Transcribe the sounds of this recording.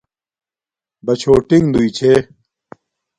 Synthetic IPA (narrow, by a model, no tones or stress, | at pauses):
bɐt͡ɕʰoːʈiŋd̪uit͡ɕʰe